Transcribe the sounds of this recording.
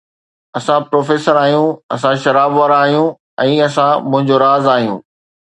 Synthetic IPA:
ɐsãpɾoːfeːsəɾaːɦijũɐsãʃɐɾaːbʋaːɾaːɦijũ | ɛ̃ːɐsãmʊ̃ɦɪ̃ɲd͡ʑoɾaːzaːɦijṵ̃ː

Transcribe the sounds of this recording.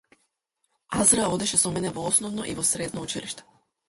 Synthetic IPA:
azɾaod̪ɛʃɛsɔmɛnɛvoɔsnɔvnɔʔivɔsɾɛd̪nout͡ʃilʔḭʃt̪ɛ̥

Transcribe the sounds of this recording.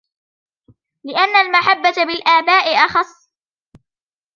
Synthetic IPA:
lɪʔanːalmaħabːat̪abɪlʔaːbaːʔɪʔɑxɑsˤː

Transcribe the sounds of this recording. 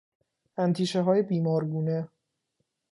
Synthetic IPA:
ænt̪ʰiːʃeɦɒːjebiːmɒːɾɡuːne

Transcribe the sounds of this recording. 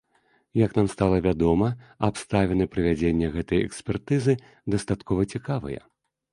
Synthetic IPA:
jɐknamst̪alˠɐvʲad̪ɔmɐapst̪avʲɛnɨpɾɨvʲad͡zʲenʲːɛɣɛt̪ɐjɛ̰ksʲpʲɛrt̪ɨzɨ | d̪ɐst̪at̪kʰɔvɐt͡sʲikavɐ̰jɐ̰

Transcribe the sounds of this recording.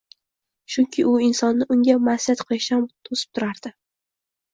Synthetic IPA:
t͡ʃʰʊŋkʲʰɪʔʊɪnsɒnːɪʔʊŋɡʲamasjat̪qʰojɪʃamt̪ʰosɪ̥p̚t̪ʰʊɾaɾd̪̥ɪ

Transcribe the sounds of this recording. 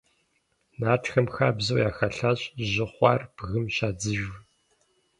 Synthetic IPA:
naːʈ͡ʂxɐmxaːbzɐwjaːxɐɬaɕʼʑɪχʷɑ̰rb̥ɣɨmɕaːd͡zɨʒ

